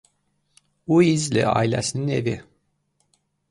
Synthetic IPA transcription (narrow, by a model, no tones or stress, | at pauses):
uizlḭɑ̰ːilæsininḛvi